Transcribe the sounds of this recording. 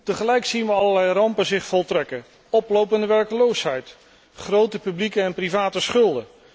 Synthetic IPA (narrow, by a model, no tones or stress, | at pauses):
təχəlɛjksinʋəɑləlɛjrɑmpəzɪχfɔlˠtrɛkə | ɔplowpəndəʋɛɹkəlowsɦɛjt | χrowtəpyblikəɛnprivaːtəsχɵlˠdə